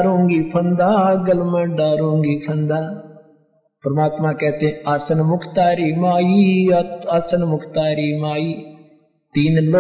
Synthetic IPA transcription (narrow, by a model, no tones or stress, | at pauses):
ɾõːŋɡipʰɐnd̪aːɡɐlmə̃ɖaːɾõːŋɡiːpʰɐnd̪aː | pɾɐmaːt̪mãːkɛːt̪eẽaːsɐnmʊkʰt̪aːɾiːmaːjiːaːsənmʊkʰt̪aːɾiːmaːiː | t̪iːnlo